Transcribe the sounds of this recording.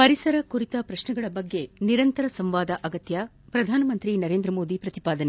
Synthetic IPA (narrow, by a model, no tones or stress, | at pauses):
pɐɾisɐɾɐkuɾit̪ɐpɾɐʃnɛɡɐɭɐbɐɡːe̞niɾɐnt̪ɐɾɐsɐmʋaːd̪ɐʔɐɡɐt̪jɐ | pɾɐd̪ʱaːnɐmɐnt̪ɾinɐɾeːnd̪ɾɐmoːd̪ipɾɐt̪ipaːd̪ɐne